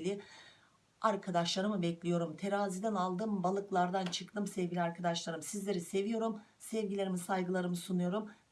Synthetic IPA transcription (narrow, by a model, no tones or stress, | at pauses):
lʲi | aɾkʰad̪aʃlˠaɾɯmɯbɛclʲijo̞ɾumt̪ʰe̞ɾaːzid̪ænalˠd̪ɯmbalˠɯklˠaɾd̪ant͡ʃʰɯklˠɯmsɛvɟʲilʲiaɾkʰad̪aʃlˠaɾɯmsizlʲe̞ɾise̞vijo̞ɾum | sɛvɟilʲe̞ɾimisajɡɯlˠaɾɯmɯsunujo̞ɾum